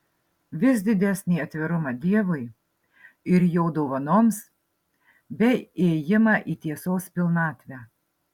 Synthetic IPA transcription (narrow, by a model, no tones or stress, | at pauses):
ʋʲɪsd̪ʲɪd̪ʲæsʲnʲiːɐt̪ʲʋʲɪɾʊmɑd̪ʲiɛʋʊɪ | ɪɾjɛʊd̪oʊʋɐnoːms | bʲɛeːjɪmɑːʔiːt̪ʲiɛsoːspʲɪlˠnɑːt̪ʲʋʲæː